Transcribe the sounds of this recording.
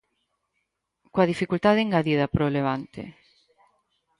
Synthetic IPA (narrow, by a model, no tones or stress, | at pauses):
koɐðifikult̪aðeeŋɡaðið̞ɐpɾoleβ̞ant̪ḛ